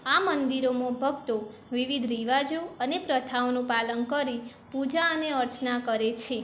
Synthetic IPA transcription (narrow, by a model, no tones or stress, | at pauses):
amənd̪iɾomõbʱəɡt̪oʋiʋid̪ʱɾiʋad͡ʒoənepɾət̪ʰaonũpalənkəɾi | pud͡ʒaəneəɾt͡ʃnakəɾet͡ʃʰe